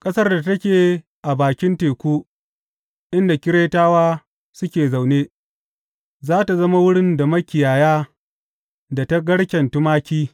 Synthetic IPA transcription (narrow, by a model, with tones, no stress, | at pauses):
kʼɐ˦sɐ˦rda˨tɐ˦kʲeː˨ | ʔa˨baː˨kʲɪ˦nteː˨kʷuː˦ | ʔɪ˦nda˨kʲɪ˦ɽeː˦taː˦waː˦ | sʊ˦kʲeː˨za˨wneː˦ | zaː˦ta˨zɐ˦ma˦wʊ˦ɽɪ˦nda˨mɐ˦kʲɪ˨jaː˨jaː˦ | da˨ta˦ɡɐ˦ɽkʲɐ˨ntʊ˦maː˦kʲiː˦